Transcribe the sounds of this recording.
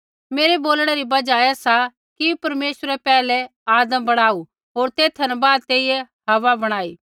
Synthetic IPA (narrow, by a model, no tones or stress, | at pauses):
meːɾeboːlɽ̃ɛɾibɐd͡ʒajasa | kipɐɾmeːsəɾɛpɛːlɛaːd̪əmbɐɽ̃aːu | ɦoːɾt̪eːt̪ʰɐnɛbaːd̪̚t̪eːijɛ | ɐʋabɐɽ̃aːiː